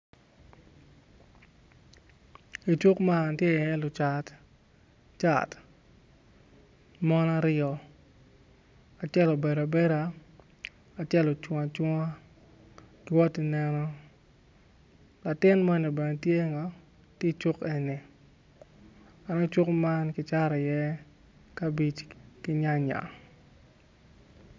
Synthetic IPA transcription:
i˨t͡ʃu˦kma˦˨tje˦ɛ˦lʊ˨t͡ʃa˨t | t͡ʃa̰˨t | mɔ˦na˦ɾɪɔ˨ | a˨t͡ʃɛ˦lɔ˨be˨ɾa˨be˦ɾa˨˦ | a˨t͡ʃɛ˦lɔ˨t͡ʃwa˨t͡ʃwa˦ | ɡwɔ˦ti˦nɛ˦nɔ˦ | la˨tɪ˦nmɔ˦ni˨bɛ˨ne˨tje˦ŋɔ˨˦ | ti˦t͡ʃʊ˦ke˨ni˨ | a˨nɔ˦t͡ʃʊ˦kma˦nkɪ˦t͡ʃa˦ɾa˨jɛ˦ | ka˦bi˦t͡ʃkɪ˦ɲa˦ɲa̰˨

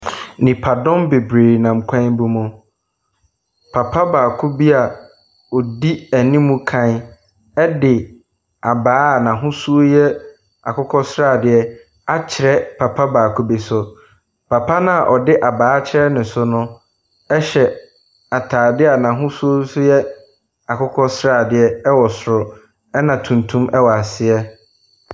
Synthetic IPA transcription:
nĩ˨pʰa˨dɔ̃˦mbe˨bɾeː˨ɾnã˨m˨kʷʰã˦m˦bu˦mũ˨ | pʰa˨pʰa˦baː˨kʰʊ˦bi˦a˨ | ɔ˨di˦æ˨nĩ˦mũ˦kʰã˦n˦ | ɛ˦dɪ˨ | a˨baː˨˦a˨nã˨ɦʊ̃˦su˦o˦jɛ˦ | a̰˨kʰʊ˦kʰɔ˦sɾaː˦˨dɪ˨ɛ˦ | a˦t͡ɕʰɪ˨ɾɛ˦pʰa˨pʰa˦baː˨kʰu˦be˨sʊ˨ | pʰa˨pʰa˦nã˦a˨ʔɔ˨dɪ˦ʔa˨baː˨˦t͡ɕʰɪ˦ɾɛ˦nʊ̃˨sʊ˦nʊ̃˦ | ɛ˦ɕɛ˨ | a˨tʰaː˨dɪ˦a˨nã˨ɦʊ̃˦su˦o˦sʊ˦jɛ˦ | a˨kʰʊ˦kʰɔ˦sɾaː˦˨dɪ˨ɛ˦ɛ˦wɔ˨sɾʊ˨ | ɛ˦nã˨tʰũ˨ntʰũ˦mɛ˦wɔ˨a˨sɪ˦ɛ˦

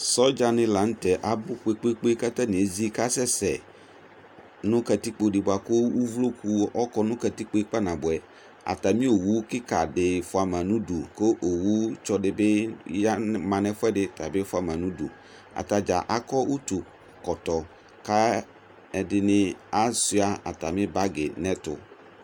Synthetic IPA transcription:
sɔ˦d͡ʒa˨nɪ̃˨la˨n̩˦tɛ˨ʔa˨bʊ˦k͡pe˦k͡pe˦k͡pe˦ka˦tɛ˦nɪ̃˨e˨zi˦ka˦sɛ˦sɛ˨ | nʊ̃˦ka˨t̪i˦k͡po˨dɪ˨bʊ˨a˨kʊ˦wu˦vlo˦kʰu˦ɔ˦kɔ˦nʊ̃˦ka˨ti˦k͡pe˦k͡pa˦nã˨bʊ˨ɛ˨ | a̰˨ta˨mĩ˦o˨wu˦kɪ˦ka˨dɪ˨fʊ˨a˨mã˨nũ˦du˨ko˦ʔo˨wu˦t͡ʃɔ˦dɪ˨bɪ˦ja˦mã˨nɛ̃˨fʊ˦ɛ˦dɪ˦˨ta˨bɪ˦fʊ˦a˨mã˨nũ˦dṵ˨ | a̰˨ta˨d͡ʒa˨ʔa˨kɔ˦ʔu˦tu˨ | kɔ˨tɔ˨ | ka˦ | ɛ˨dɪ˨nɪ̃˦a˦sʊ˦a˦a̰˨ta˨mɪ̃˦ba˦ɡɪ˨nɛ̃˦tʊ̰˨

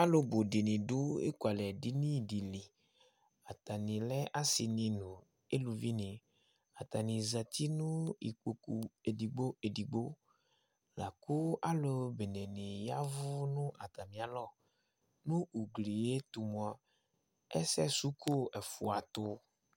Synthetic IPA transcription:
a˦lo˨bo˨ɖi˨nĩ˨ɖʊ˦ḛ˦ku˨a˨lɛ˨di˦nĩ˦di˨li˨ | a˨t̪a˨nĩ˨lɛ˦ʔa˦si˨nĩ˨nũ˨ | e˦lu˨vi˦nɪ̃˨ | a˨t̪a˨nĩ˨za˨t̪i˦nʊ̃˦ḭ˨k͡po˨ku˨e˨di˨ɡ͡bo˦e˨di˨ɡ͡bo˦ | la̰˨kʊ˦a˦lo˨be˨nɛ˨nĩ˨ja˦vʊ˦nʊ̃˦ʔa˨t̪a˨mĩ˨a˨lɔ˦˨ | nʊ̃˦u˨ɡli˨je˦t̪u˨mũ˨a˨ | ɛ̰˦sɛ˦su˦kʰo˦ɛ˨fu˨a˨t̪ʊ˦

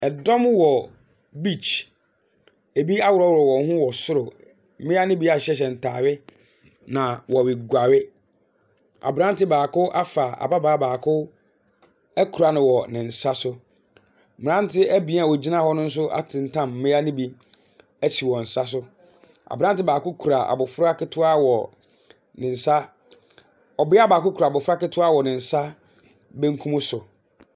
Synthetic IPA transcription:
ɛ˨dɔ̃˦mwɔ˨ | bi˦t͡ɕʰ | e˨bi˦a˦wʊ˨ɾɔ˦wʊ˨ɾɔ˨wɔ̃˨˦ɦʊ̃˦wɔ˨sʊ˦ɾʊ˨ | m̩˦mɪ̃˦a˦nɪ̃˦bi˦a˨ɕɛ˦ɕ̬ɛ˨n̩˨tʰaː˨ɥɪ˦ | nã˨wɔ˨wɪ˨ɡʷa˨ɥɪ˦ | a̰˨bɾã˦n˦tɪ˦baː˨kʊ˦ʔa˦fa˨ʔa̰˨ba˦baː˦baː˨kʰʊ˦ | æ˦kʰu˨ɾa˨˦nɪ̃˨wɔ˨nɪ̃˨n̩˨sa˦sʊ˦ | mɪ̃˨ɾã˦n˦tʰɪ˦æ˦bi˨˦˨wɔ˨d͡ʑi˦nã˦hɔ˦nʊ̃˦n̩˦s̬ʊ˦ʔa̰˦tʰɪ̃˨n̩˦tʰã˦˨m̩˨mɪ̃˦a˦nɪ̃˦bi˦ | æ˦˨t͡ɕʰi˨wɔ̃˨n̩˨sa˦s̬ʊ˦ | a̰˨bɾã˦n˦tɪ˦baː˨kʊ˦kʰu˨ɾa˨a̰˨bʊ˨fʊ˦ɾa˦kɪ˦tʰʊ˦a˦wɔ̰˨ | nɪ̃˨n̩˨sa˦ | ɔ˨bɪ˦a˦˨baː˨kʊ˦kʰu˨ɾa˨bʊ˨fʊ˦ɾa˦kɪ˦tʰʊ˦a˦wɔ˨nɪ̃˨n̩˨sa˦ | bɛ˦ŋ˦kʰũ˦mʊ̃˦sʊ˨

